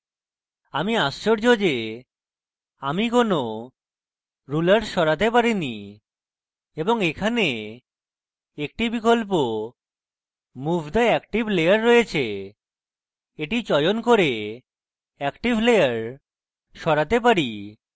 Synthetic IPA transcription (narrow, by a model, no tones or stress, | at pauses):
amiast͡ɕoɾd͡ʑod͡ʑe | amikono | ɾulaɾʃɔɾat̪epaɾini | eboŋekʰane | ek̚ʈibikolp̬o | mubʱd̪aɛkʈibʱlejaɾːɔjet͡ɕʰe | eʈit͡ɕɔjonkoɾe | ɛkʈiblejaɾ | ʃɔɾat̪ep̬aɾi